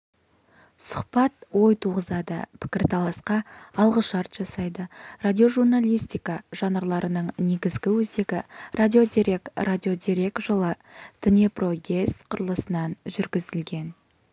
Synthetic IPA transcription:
sʊ̥qpɑt̪wo̞jt̪ʰuʁəzɑd̪ə̰pʰɪ̥kʲɪɾt̪ʰɑlˠɑsqɑɑlˠʁəʃɑɾt̪ʒ̥ɑsɑjd̪əradʲijo̞ʒurnalʲijst̪ʲijkɑʒ̥ɑnəɾlˠɑɾʔənəɴneɡʲɪzɡʲɪwɵze̞ɡʲɪrʔadʲio̞d̪iɾʲe̞krad̪ʲio̞d̪iɾe̞kʒəlˠəd̪̥ɪnepro̞ɡʲe̞st̪qʰʊɾəlˠəsənɑnʒʏɾɡʲɪzɪlɡʲe̞n

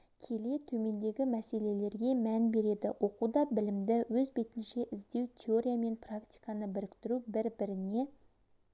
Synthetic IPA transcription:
kʲʰe̞le̞t̪ʰɵme̞nd̪e̞ɡʲɪmæse̞le̞le̞ɾɡʲe̞mænbe̞ɾe̞d̪ɪwʔo̞qud̪ɑbɪlɪmd̪ɪwɵzbe̞t̪ɪnʃe̞ʔɪzd̪e̞wt̪ʲʰe̞oɾʲijame̞nprakt̪ʲi̥jkɑnəbɪɾɪkʲt̪ɪɾubɪɾbɪɾɪne̞

